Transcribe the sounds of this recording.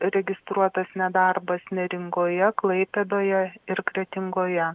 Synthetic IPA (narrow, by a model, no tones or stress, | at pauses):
ɾʲɛɡʲɪst̪ɾuɔt̪ɐsnʲɛd̪ɑrbɐsnʲɛɾʲɪŋɡoːjɛklˠɐɪpʲɛd̪oːjɛɪɾkɾʲɛt̪ʲɪŋɡoːjɛ